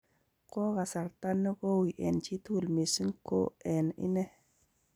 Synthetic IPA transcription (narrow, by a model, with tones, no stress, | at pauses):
ko˦ɣa˨sa˨ɾta˦nːu˦ko˦wi˨ʔḛ˨nt͡ʃi˦tu˦˨lmi˨si˦nko̰˦e˨nḭ˦ne˦